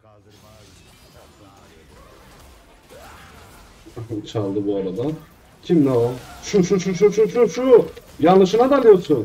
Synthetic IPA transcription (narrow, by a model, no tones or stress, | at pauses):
ɦt͡ʃʰalˠd̪ɯbuaɾad̪a | cʰimnaolˠʃuʃuʃuʃ̬uʃuʃuʃujanːɯʃɯnad̪alʲijosun